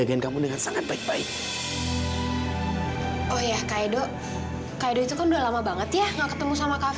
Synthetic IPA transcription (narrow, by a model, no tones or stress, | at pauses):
aɡaɪnkamudəŋansaŋat̪̚baɪk̚baɪk̚ | ɔhjakaedɔ | kaidoit̪ukanduaʔlamabaŋət̪jaŋɡaʔkət̪əmusamaka